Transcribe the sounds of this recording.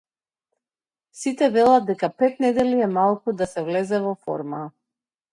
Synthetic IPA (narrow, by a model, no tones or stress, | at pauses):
sit̪ɛvɛlˠad̪̚d̪ɛkapɛt̪̚nɛd̪ɛliɛmalˠkud̪asɛvlɛzɛvɔfɔ̰ɾma